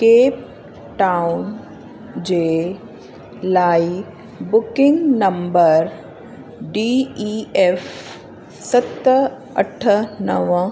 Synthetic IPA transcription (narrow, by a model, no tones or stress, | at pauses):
keːp̚ | ʈaːʊn | d͡ʑeː | laːi | bʊkɪ̃ŋɡnɐ̃mbəɾ | ɖiiːef | sɐt̪ | ɐ̰ʈʰənɐʋə̃